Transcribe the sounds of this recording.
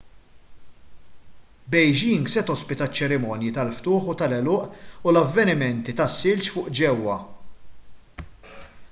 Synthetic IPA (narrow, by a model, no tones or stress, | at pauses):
bɛjd͡ʒiːŋɡsɛt̪ɔspɪt̪ɐt͡ʃːɛɾɪmɔːnjit̪ɐlft̪ʊːħut̪ɐlɛlɔːʔulɐvːɛnɪmɛnt̪it̪ɐsːɪlt͡ʃfʊːʔd͡ʒɛwːɐ